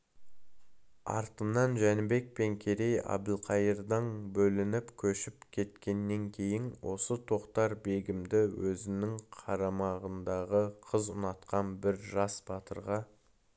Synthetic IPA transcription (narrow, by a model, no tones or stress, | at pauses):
ɑ̰ɾt̪ənɑnʒænɪbe̞k̚pe̞ŋkʲʰe̞ɾe̞jɑ̰bd̪əlˠqʰɑjəɾd̪əɴbɵlɪnɪpkʲʰɵʃɪpkʲʰe̞t̪kʲe̞nːe̞ŋkʲʰe̞jɪnwo̞̰sət̪ʰo̞qt̪ɑɾbe̞ɡʲɪmd̪ɪwɵzɪnɪŋqʰɑɾɑmɑʁənd̪ɑʁəqʰəzʊ̰nɑt̪qɑnbɪɾʒɑsbɑt̪əɾʁɑ